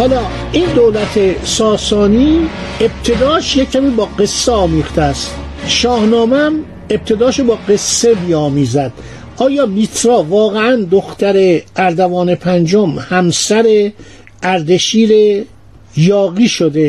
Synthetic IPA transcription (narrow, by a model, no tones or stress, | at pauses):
hɒːlɒː | ʔiːnd̪oːlæt̪ʰesɒːsɒːniːeb̥̚t̪ʰe̞d̪ɒːʃjecʰːæmiːbɒːɡe̞sːeɒːmiːxt̪ʰeæst̪ʃɒːhnɒːmeæm | e̞b̚t̪ʰe̞d̪ɒːʃobɒːɡe̞sːemiːɒːmiːzæd̪̥ | ɒːjɒːmit̪ʰɾɒːvɒːɣeænd̪oxt̪æɾeʔæɾd̪ævɒːnepʰænd͡ʒomhæmsæɾe̞ | ʔæɾd̪eʃiːɾe | jɒːɣiːʃod̪e̞